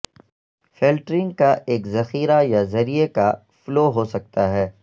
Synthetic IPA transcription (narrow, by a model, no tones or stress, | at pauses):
feːlʈɾɪ̃ŋɡkaʔeːkzɐxiːɾajazɐɾieka | floːɦoːsɐk̚t̪aɦɛː